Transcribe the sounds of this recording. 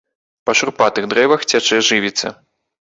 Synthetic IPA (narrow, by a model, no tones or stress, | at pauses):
pɐʂurpat̪ɨɣd̪ɾɛvɐxt͡sʲat͡ʂɛʐɨvʲit̪sʲɐ̰